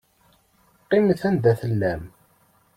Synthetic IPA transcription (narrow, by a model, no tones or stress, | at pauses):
qːimθænd̪æθəlːæm